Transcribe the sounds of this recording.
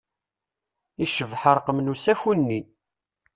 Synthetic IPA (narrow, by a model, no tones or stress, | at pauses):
iʃəvħəɾˤqəmnusæçunːi